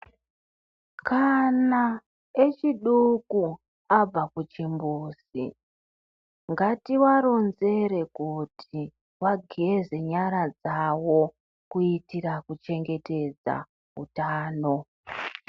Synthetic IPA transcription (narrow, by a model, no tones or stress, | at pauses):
kana | et͡ʃiɗuku | ab͡vakut͡ʃimbuːsḭ | ŋɡatiwaɾo̞nze̞ɾe̞kutʰi | waɡʱeze̞ɲaɾad͡zawo̞ | kuitirakut͡ʃe̞ŋɡe̞te̞d͡za̰ | ɦṵtaːno̞